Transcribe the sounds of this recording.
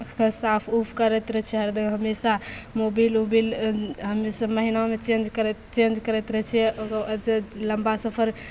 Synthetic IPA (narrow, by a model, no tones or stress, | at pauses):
kəsapʰupʰkəɾɛt̪ɾɛt͡ʃʰɛɦəɾd̪əɡɦəmesamobilobilɦəmːesaməɦinaomet͡ʃẽnd͡ʒkəɾt͡ʃẽnd͡ʒkəɾɛt̪ɾəɦt͡ʃʰɛokəd͡ʒləmbasəpʰəɾ